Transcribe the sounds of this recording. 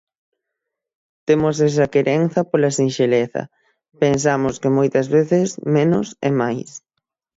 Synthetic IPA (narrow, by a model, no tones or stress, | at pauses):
t̪emʊsɛs̬ɐkeɾʔenθɐpolɐsinʃeleθɐ̰ | pensamʊskɪmojt̪ɐzβeθɪsmenʊ̰sḛmajs